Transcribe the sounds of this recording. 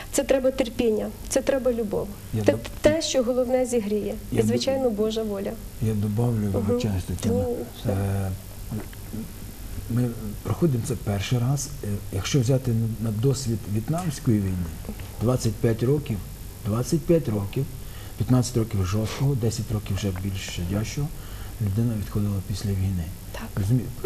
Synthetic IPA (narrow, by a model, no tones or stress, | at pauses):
t̪sɛt̪ɾɛbɐt̪erpʲinʲːɐt̪sɛt̪ɾɛbɐlʲʊbɔ̰ʋ | jaɛt̪ɛʃt͡ʃɔɦɔlˠɔwnɛzʲiɦɾʲijɛjzʋɪt͡ʃajnɔbɔʒɐʋɔlʲɐ | jad̪ɔbɑwlʲʊʋelˠɪt͡ʃɛnst̪ɔt͡ʃ̪i | mɪpɾɔxɔd̪ɪmt̪sɛpɛrʃɪjɾɑz̥jɐkʃt͡ʃɔwzʲat̪ɪnɐd̪ɔsʲʋʲid̪ʋʲiit̪nɑmsʲkɔjiʋʲijnɪd̪ʋat͡sʲːɐt̚ʲpʲjatʲrɔkʲiw | d̪ʋɑt͡sʲːɐt̚ʲpʲjatʲrɔkʲiw | pʲjɐt̪nɑt͡sʲːɐ̥tʲɾɔkʲiwʒɔst̪kɔɦɔd̪ɛsʲɐtʲrɔkʲiwʒɛbʲilʲʃt͡ʃɐdʲaʃɔɦɔ | lʲʊd̪ɪnɐʋʲid̪xɔd̪ɪlˠɐpʲisʲlʲɐʋʲijnɪ | ɔzʊmʲi